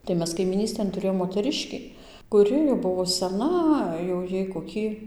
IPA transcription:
tɐɪ ˈmʲɛs kɐɪmʲiːˈnʲiːsʲtʲeːn tʊˈrʲeːjoːm moːtʲɛˈrʲɪʃʲkʲiː kʊˈrʲɪ jɛʊ ˈbʊʋoː sʲɛˈnɐ jɛʊ ˈjɛɪ koːˈkʲiː

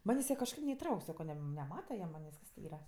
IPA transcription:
ˈmɑːnʲeːsʲ tʲɪ kɐʃˈkɐɪp nʲɛɪˈtrɐʊkʲ ˈsɑːkoː ˈnʲɛm nʲɛˈmɑːtɐ jiɛ ˈmɑːnʲeːsʲ ˈiːrɐ

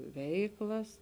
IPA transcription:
ˈʋʲɛɪklˠɐs

